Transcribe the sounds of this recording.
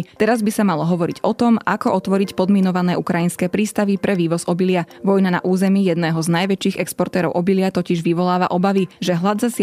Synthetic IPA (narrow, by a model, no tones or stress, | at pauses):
t̪ɛɾazbisamalɔɦɔʋɔɾiɟɔt̪ɔma̰kɔʔɔt̪ʋɔɾicpɔd̪mɛnɔʋanɛːʔukɾajinskɛːpɾiːst̪aʋipɾɛʋiːʋɔzɔbilɪaʋɔjnana̰ʔuːzɛmijɛd̪nɛːɦɔznajʋɛt͡ʃiːɣɛkspɔɾt̪ɛːɾɔʊʔɔbilɪat̪ɔciʒʋiʋɔlaːʋa̰ʔɔbaʋiʒɛɦlad̪zas